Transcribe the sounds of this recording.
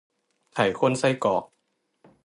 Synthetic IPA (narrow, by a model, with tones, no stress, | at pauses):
t̪ʰa˨˦jkʰo˧˥˨nsa˥˩jkɔː˨˩k̚